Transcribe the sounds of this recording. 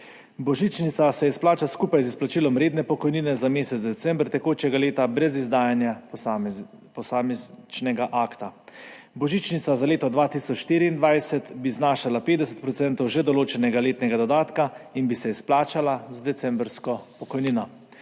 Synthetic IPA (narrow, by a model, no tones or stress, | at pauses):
bɔʒit͡ʃnit̪sasɛjɛsplaːt͡ʃaskuːpajzisplat͡ʃiːlɔmɾeːd̪nɛpɔkɔjniːnɛzameːsɛt̪zd̪ɛt̪sɛmbɾt̪ɛkoːt͡ʃɛɡaleːt̪abɾɛzizd̪aːjanja | pɔsamɛt͡ʃnɛɡaʔaːkt̪a | bɔʒiːt͡ʃnit̪sazaleːt̪ɔd̪ʋaːt̪isɔt͡ʃʃt̪iːɾiːnd̪ʋajsɛt̪biznaːʃalapeːd̪d̪ɛsɛ̥t̪̚pɾɔt̪sɛnt̪ɔwʒɛd̪ɔloːt͡ʃɛnɛɡaleːt̪nɛɡad̪ɔd̪aːt̪kainbisɛisplaːt͡ʃalazd̪ɛt̪sɛmbɾskɔpɔkɔjniːnɔ